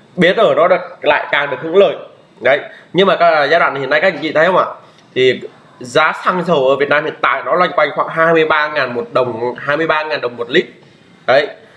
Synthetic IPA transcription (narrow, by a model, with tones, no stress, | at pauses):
ɓi˨˦t̪əː˧˩nɔ˨˦ɗɨ˨˩k̚la̰ː˧˨jkaː˨˩ŋɗɨ˨˩ək̚hɨ̰˧˥ŋləː˨˩j | ɗə˨˦jɲɨ˧ŋmaː˨˩kaː˦˥˨zaː˧ɗwa̰ː˧˨na˨˩˨na˧jkaː˦˥kɨ̰˧˦t͡ɕḭ˧˨˩ə˨˦jhə˧ŋ͡maː˧˨ | t̪ʰi˨˩ | zaː˨˦sa˧ŋzə˨˩wʔəː˧˩vi˨˩ət̚naː˧mhḭ˧˨ənt̪a̰ː˧˨jnɔ˨˦lwa˧jŋ̟kwa˧jŋ̟xwa̰ː˧˩ŋɦaː˧jmɨ˧əjɓaː˧ŋaː˨˩nmo˨˩t̚ɗə˨˩wŋ͡mhaː˧jmɨ˧əjɓaː˧ŋaː˨˩nɗə˨˩wŋ͡mmo˨˩t̚lï˦˥k̚ | ɗə˨˦j